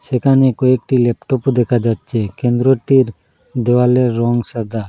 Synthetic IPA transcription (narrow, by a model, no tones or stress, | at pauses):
sɛkanekoek̚ʈilɛpʈɔpud̪ekʰad͡ʒat͡ʃʰekẽnd̪ɾoʈiɾ | d̪ɛwaleɾɔŋɡsəd̪a